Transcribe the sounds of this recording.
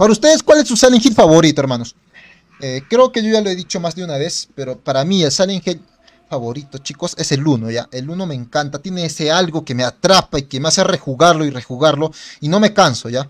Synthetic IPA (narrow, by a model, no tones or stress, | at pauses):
paɾaust̪e̞ðeskwalesːusaleŋxid̪faβo̞ɾit̪oeɾmano̞s | ekɾe̞oke̞ʝo̞ʝaloe̞ðit͡ʃo̞mazd̪eunaβe̞spe̞ɾo̞paɾamie̞lsaleŋxid̪ | faβo̞ɾit̪o̞t͡ʃiko̞se̞se̞luno̞ʝaʔe̞luno̞me̞ːŋkant̪at̪jene̞ese̞alɣo̞ke̞me̞at̪ɾapaike̞measere̞xuɣaɾlo̞ire̞xuɣaɾlo̞ino̞me̞kanso̞ʝa